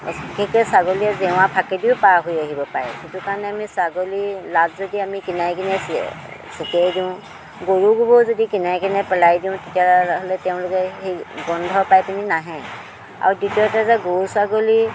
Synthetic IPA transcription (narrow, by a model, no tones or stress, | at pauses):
kɛkesaɡoliazɛw̃ãpʰakediupaɦujaɦibɔpaɛtitukaɹnɛamisaɡolilazzɔdiamikinajkinɛs | sikɛjdiʊ̃ | ɡoɹuɡubɔzɔdikinajkinɛpɛlajdiʊ̃titiaaɦlɛtɛʊ̃lʊkɛɦiɡɔnd̪ʱɔbpajtininaɦɛ̃ | a̰ɹditiɔtazaɡousaɡoli